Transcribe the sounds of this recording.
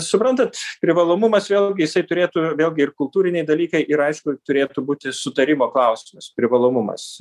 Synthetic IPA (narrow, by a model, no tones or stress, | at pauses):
sʊpɾɐnt̪ɐt̪pʲɾʲɪʋɐlˠoːmʊmɐsʋʲeːlˠʲɡʲɪjɪsɐɪt̪ʊɾʲeːt̪uʋʲeːlʲˠɡʲɪɪrkʊlˠt̪uːɾʲɪnʲɛɪd̪ɐlʲiːkɐɪʔɪɾɐɪʃkʊt̪ʊɾʲeːt̪ubuːt̪ʲɪsʊt̪ɐɾʲɪmoːklˠɐʊsʲɪmʊspʲɾʲɪʋɐlˠoːmʊmɐ̰s